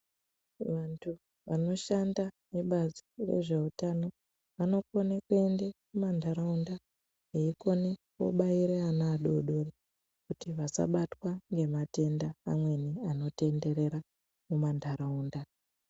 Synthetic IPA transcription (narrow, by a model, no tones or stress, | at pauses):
ʋantʰu | ʋano̞ʃandaneɓazire̞̰ʐe̞utano̞ | ʋano̞konekue̞ndemumandʱaɾaunda | eiko̞neko̰ɓaiɾeanaːɗo̰ɗo̞re | kutiʋasa̰ɓatwaŋɡe̞mate̞ndaːmwe̞niano̞te̞nde̞ɾe̞ɾa | mumandʱaɾauːnda